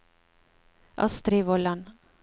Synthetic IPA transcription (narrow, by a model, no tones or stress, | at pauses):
ʔɑ̰st̪ɾiʋɔlɑn